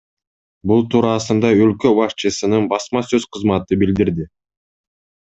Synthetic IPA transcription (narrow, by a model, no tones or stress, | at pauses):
bulˠt̪ʰuːɾɑːsɯnd̪ɑølkø̞bɑʃt͡ʃɯsɯnɯnbɑsmɑsøzqʰɯzmɑt̪ɯbild̪iɾd̪i